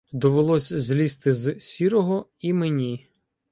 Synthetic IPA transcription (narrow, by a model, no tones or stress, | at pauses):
d̪ɔʋelˠɔsʲzʲlʲist̪ɪzsʲiɾɔɦɔimenʲi